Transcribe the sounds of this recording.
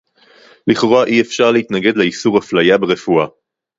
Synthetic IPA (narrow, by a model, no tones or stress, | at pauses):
liχʁoaʔiefʃaʁleit̪naɡe̞d̪leisuʁhaflajabeʁe̞fua